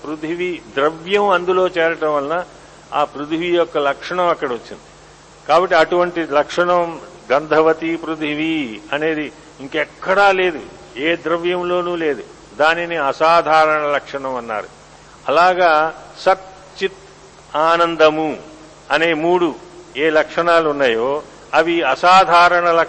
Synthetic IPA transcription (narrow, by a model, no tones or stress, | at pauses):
pɾut̪ʰiʋid̪ɾɐʋjɐmɐnd̪ulo̞ːt͡ʃɛːɾɐʈɐ̃mʋɐlɐna | aːpɾut̪iʋijɔkːɐlɐkʂɐɳɐmɐkːɐɽɐʋɐt͡ʃːind̪i | kaːbɐʈːiɐʈuʋɐɳʈilɐkʂɐɳɐmɡɐnd̪ʱɐʋɐt̪ipɾud̪ʱiʋiɐne̞ːd̪i | iŋkɛkːɐɽaːle̞ːd̪ṵ | eːd̪ɾɐʋjɐmlo̞ːnuːle̞ːd̪u | d̪aːniniɐsaːd̪ʱaːɾɐɳɐlɐkʂɐɳɐmɐnːa̰ːɾṵ | ɐlaːɡaːsɐt̪ | t͡ʃit̪ | aːnɐnd̪ɐmu | ɐne̞ːmuːɽueːlɐkʂɐɳaːluunːaːjoː | ɐʋiɐsaːd̪ʱaːɾɐɳɐlɐ